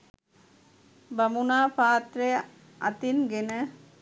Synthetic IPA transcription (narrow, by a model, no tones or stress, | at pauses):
bɐmunaːpaːt̪ɾej | ʔɐ̰t̪inɡenə